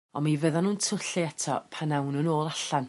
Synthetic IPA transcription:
ɔmivəðanuːntʰʊɬɨɛtʰɔ̰pʰanawnənoːlˠaɬan

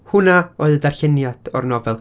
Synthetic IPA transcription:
hʊnaoɨðdarɬɪnjad̥ɔrnɔvɛlˠ

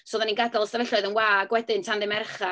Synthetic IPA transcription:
soːðaninɡadalˠstavɛɬɔɨðənwaːɡwɛdɪntʰandɪmɛrχa

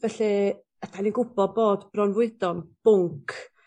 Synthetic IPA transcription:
vɛɬi | ətʰaninɡʊbɔdboːdbrɔnvwɪdɔnb̥ʊŋkʰ

